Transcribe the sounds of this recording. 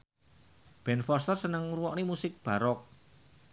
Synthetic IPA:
b̥ɛnfɔst̪ərsənəŋruwɔʔnimusɪk̚b̥a̤ɾɔk̚

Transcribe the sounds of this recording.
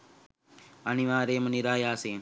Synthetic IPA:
aniʋãːɾeːməniɾaːjaːseː

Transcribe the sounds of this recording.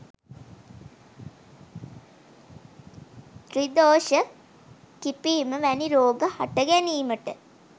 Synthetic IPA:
t̪rid̪oːʃə | kipiːməʋæniɾoːɡəha̰ʈəɡæniːməʈə

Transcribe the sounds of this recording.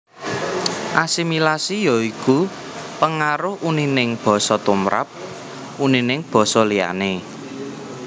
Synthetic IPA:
ʔasimilasijɔiku | pəŋaɾʊhuninɪŋb̥ɔ̤sɔt̪umɾʔa̰p̚ | uninɪŋb̥ɔ̤sɔlija̰ne

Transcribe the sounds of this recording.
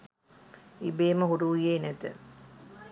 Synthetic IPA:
ibeːməɦuɾuːjeːnɛt̪ə̰

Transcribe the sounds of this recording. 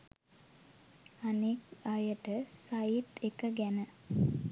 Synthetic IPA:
anekajəʈəsajit̪ekəɡænə

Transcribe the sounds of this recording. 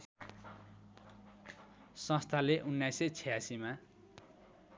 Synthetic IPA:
sʌ̃st̪ʰaleʔunːajset͡sʰejasima

